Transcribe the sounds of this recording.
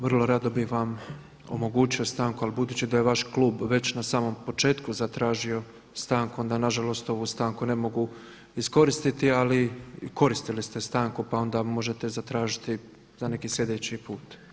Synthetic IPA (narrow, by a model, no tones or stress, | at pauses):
ʋrlˠo̞ɾad̪o̞bixʋam | o̞̰mo̞ɡuːt͡ɕio̞st̪aːŋkualibud̪uːt͡ɕid̪aje̞ʋaʃkluːbʋe̞t͡ɕnasaːmo̞mpo̞t͡ʃe̞ːt̪kuzat̪ɾaːʒio̞ | st̪aːŋkuo̞nd̪anaʒalo̞st̪o̞ʋust̪aːŋkune̞mo̞ɡu | isko̞ɾist̪it̪ialiko̞ɾist̪ilist̪e̞st̪aːŋkupao̞nd̪amo̞ʒe̞t̪e̞zat̪ɾaːʒit̪i | zane̞kiːsje̞d̪eːt͡ɕipuːt̪